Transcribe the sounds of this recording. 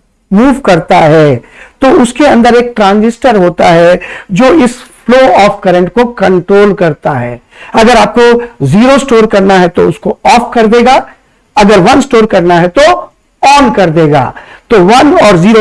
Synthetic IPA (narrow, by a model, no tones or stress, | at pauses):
muːʋkɐɾt̪aɦɛːt̪oʊskeɐ̃nd̪əɾeːk̚ʈɾãːnzɪsʈəɾɦoːt̪aɦɛd͡ʒoːɪsfloːɔːfkɐɾə̃ɳʈkokɐ̃ɳʈɾoːlkɐɾt̪aɦɛ̰ː | ɐɡəɾaːp̚koziːɾosʈoːɾkɐɾnaɦɛt̪oʊskoɔːfkɐɾd̪eːɡa | ɐɡəɾʋɐnsʈoːɾkɐɾnaɦɛt̪o | ɔːnkɐɾd̪eːɡa̰ːt̪oʋɐnɔːɾziːɾo